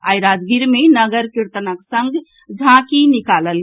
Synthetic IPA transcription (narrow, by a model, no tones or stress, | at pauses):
ajɾad͡ʒɡiɾmenəɡəɾkiɾt̪ənəksəŋɡʱ | d͡ʒʱãkinikaləl